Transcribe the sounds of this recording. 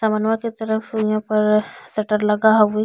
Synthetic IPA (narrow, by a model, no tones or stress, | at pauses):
samənwãket̪ɐɾəfjɦãpɐɾsɐʈəɾlɐɡaɦ